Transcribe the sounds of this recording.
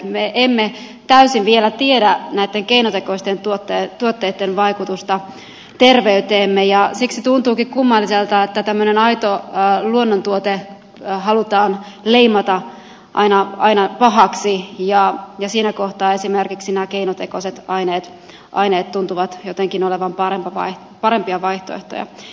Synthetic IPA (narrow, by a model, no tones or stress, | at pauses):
meʔemːe | t̪æysinʋielæt̪iedænæit̪ːeŋkeinot̪ekoist̪ent̪uot̪ːet̪uot̪ːeːt̪ːenʋɑikut̪ust̪ɑ | t̪erʋeyt̪eːmːejɑsiksit̪unt̪uːkikkumːɑlːiselt̪ɑet̪ːæt̪æmːønenɑit̪oluonːont̪uot̪e | ɦɑlut̪ɑːnle̞imɑt̪ɑ | ʔɑ̰inɑɑinɑpɑɦɑksijɑjɑsiːnæko̞ht̪ɑːe̞simerkiksinækeinot̪ekoset̪ɑineːt̪ | ʔɑ̰ineːt̪t̪ːunt̪uʋɑt̪jot̪eŋkinoleʋɑmpɑrempɑʋɑ̰i | pɑɾe̞mpiɑʋɑjht̪o̰eht̪o̰jɑ̰